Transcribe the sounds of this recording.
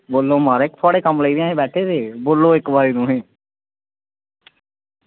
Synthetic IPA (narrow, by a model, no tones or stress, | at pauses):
boːlːõːmaːɾkt̪ʰʊaːɽeːkəmləiːd̪ɪjãːɦẽːbɛːʈʰeːt̪eːboːlːõːɪkbaːɾiːnũːɦẽː